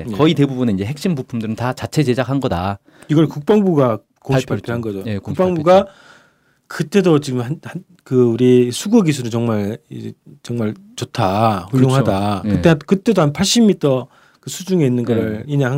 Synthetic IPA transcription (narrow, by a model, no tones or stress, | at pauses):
jkʌite̞bubuneind͡ʑe̞ɦek̚ɕ͈imbupʰumdɯɾɯntat͡ɕat͡ɕʰe̞t͡ɕe̞d͡ʑak̚ʰhanɡʌda | iɡʌɭkuk̚p͈aŋbuɡa | koap͈ʰaɭpʰhanɡʌd͡ʑojekukp͈aŋbuɡa | kɯt͈e̞dot͡ɕiɡɯmhanhan | kɯuɾisʰuɡuɡisʰuɾɯt͡ɕʌŋmaɭid͡ʑet͡ɕʌŋmaɭ | t͡ɕotʰaɸujoŋɦadaɯt͈eakɯt͈e̞dohanpʰaɭɕ͈imːitʰʌ | kɯsʰud͡ʑuŋe̞inːɯnɡʌɾɯɭiɲaɦa